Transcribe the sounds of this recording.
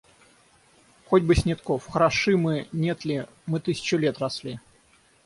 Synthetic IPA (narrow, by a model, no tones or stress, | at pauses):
xodʲbɨsʲnʲɪt̪kofxəɾɐʂɨmɨnʲet̪lʲɪ | mɨt̪ɨsʲɪ̥t͡ɕʊlʲet̪rɐslʲi